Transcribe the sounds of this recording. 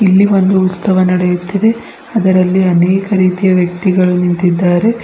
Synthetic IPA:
ilːiʋo̞nd̪uːt̪sɐʋɐnɐɽejut̪ːid̪e̞ | ɐd̪ɐɾɐlːiɐnɛːkɐɾiːt̪ijɐʋjɐk̚t̪iɡɐɭunint̪id̪ːaːɾe̞

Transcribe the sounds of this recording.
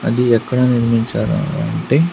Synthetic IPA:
ɐd̪iɛkːɐɽaniɾmiɲt͡ʃa̰ːɾa̰la̰ɐɳʈe

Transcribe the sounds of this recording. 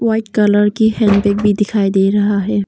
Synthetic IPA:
ʋaːɪʈkɐləɾkihɛ̃ːnbek̚bʱid̪ɪkʰaːid̪eːɾɐɦaɦɛː

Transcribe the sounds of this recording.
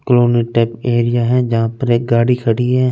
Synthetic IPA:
kloːniʈɛːpeːɾijaɦɛ̃d͡ʒɐɦãpɐɾeɡaːɽikʰɐɽiɦɛ̃

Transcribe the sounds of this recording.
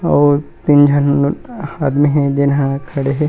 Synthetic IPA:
ɔːt̪ind͡ʒʱɐnhaːd̪miɦɛ̃d͡ʒɪnɦãkʰɐɽeɦɛ

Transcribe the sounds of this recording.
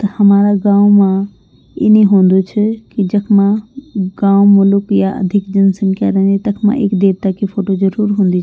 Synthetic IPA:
t̪ɐhɐmaːɾaɡãːwmã | ɪ̰neɦõːnd̪ut͡ʃʰəkid͡ʒəkʰmãɡãːwmʊlʊkjaʔə̰d̪ʱɪkd͡ʒɐnsənka̰ɾə̃nit̪ɐkʰmã̰ʔeːkd̪eːɾt̪akʰifʰoːʈod͡ʒəɾuːɾɦũːnd̪it͡ʃʰ

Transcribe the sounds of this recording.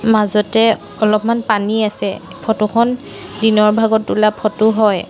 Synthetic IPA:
mazɔtɛ | ɔlɔpmanpaniasɛ | pʰɔtuxʰɔn | dinɔɹbʱaɡɔtːulapʰɔtʊɦɔj

